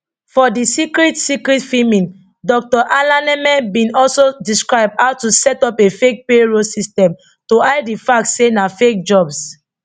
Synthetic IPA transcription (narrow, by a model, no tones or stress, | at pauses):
fɔdisikɹitsikɹitfimĩn | dɔk̚tɔʔalãnɛmɛ̃nbĩnɔlsodiskɹaɪb̚haʊtusɛtɔpefek̚peɹosistɛ̃m | toaɪdifak̚tsenafek̚d͡ʒɔbs